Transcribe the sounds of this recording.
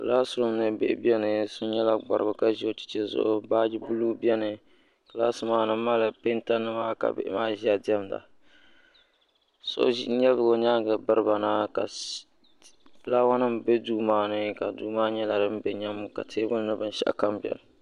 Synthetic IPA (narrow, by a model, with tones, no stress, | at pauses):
klaː˦sʊ˨ɾʊ˦mnɨ˦bḛ˦bi˦ɛ˦nɨ˨sʊ˦n˦ɲɛ˦la˨ɡ͡ba̰˨ɾɨ˨bʊ˨ka˦ʒi˦o˦t͡ʃi̥˨t͡ʃɛ˦zʊ̰˦ʔʊ˦ba˦d͡ʒi˦bu˦lu˦bi˦ɛ˦nɨ˨ | ka˨laː˦sɨ˦maː˦nɨ˦m˦ma˦la˨pe˦nta˦nːɨ˦maː˦ka̰˨bɪ̰˦ʔmaː˦ʒi˦a˨di˦ɛ˦mda̰˨ | so̰˦ʒɲɛ˦bɨ˨ɡo˨ɲaː˦ɡɨ˨bɨ˦ɾɨ˦ba˨na˦ka˨˦ | laː˦wa˦nɨ˦mbɛ˦duː˦maː˦nɨ˦ka˨duː˦maː˦ɲɛ˦la˨dɨ˦m˦bɛ˨ɲɛ˦mːʊ˦ka̰˨tʰeː˦bʊ˦n˦nɨ˦bɨ˦n˦ʃɛ̰˦ʔka˦mbɛ̰˨nɨ˨